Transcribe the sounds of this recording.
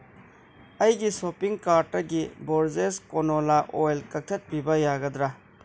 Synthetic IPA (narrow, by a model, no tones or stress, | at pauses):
ɐjɡisoːpiŋɡkaːɾʈɐɡiboːɾzeskonoːlaʔoːelkɐk̚t̪ʰɐt̪̚pibɐjaːɡɐd̪ɾa